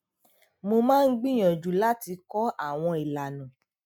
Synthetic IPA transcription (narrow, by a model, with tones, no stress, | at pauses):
mo˧mãː˦n̩˦ɡ͡bĩ˦j̃ã˨d͡ʒu˨la˦ti˧kɔ˦ʔa˦˨w̃ɔ̃˧i˨la˨nã˨